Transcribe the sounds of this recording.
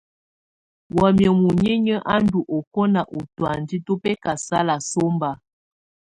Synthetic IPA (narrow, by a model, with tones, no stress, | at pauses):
wɔ˨mjə˨mu˨ɲe˦ɲə˦ʔa˦n̩˦du˨ʔo˨ko˦na˨ʔo˨twa˨n˨di˦to˦pɛ˦ka˨sa˦la˨so˦mba˨